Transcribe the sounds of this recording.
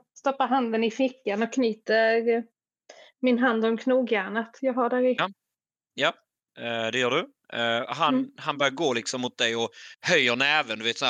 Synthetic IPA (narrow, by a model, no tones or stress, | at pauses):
st̪ɔpːaɾɦand̪ənɪfɪkːanɔkʰːniːt̪əɾ | mɪnɦand̪ɔmkʰnuːɡjæːɳat̪jɑːɡɦaɖæɾɪ | ja | d̪ɛjœːɖɵ | ɦanhanbœːjɡoːlɪksɔmːʊt̪̚d̪ɛjɔhœjːənɛːvənd̪ɵveːt̪sɔæ